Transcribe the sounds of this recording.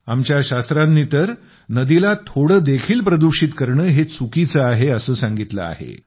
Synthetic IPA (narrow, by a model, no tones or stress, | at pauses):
amt͡ɕjaɕast̪ɾanːiːt̪əɾ | nəd̪ilat̪ʰoɽəːd̪ekʰiːlpɾəd̪uɾɕiːt̪kəɾɳəːɦet͡sʰukit͡səaɦeəsəːsaŋɡit̪lə̰a̰ɦḛ